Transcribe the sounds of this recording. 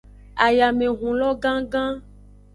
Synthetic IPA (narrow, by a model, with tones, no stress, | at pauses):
a˨ja˨mẽ˨ɦũ˨lɔ˦ɡã˦ɡã˦